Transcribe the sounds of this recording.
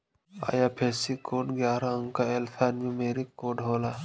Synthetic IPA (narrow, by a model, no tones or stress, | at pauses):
a̰ːjaːpʰeːsikoːɖɡjaːɾãəŋkaelpʰaːnmĩmeːɾikːoːɖɦoːla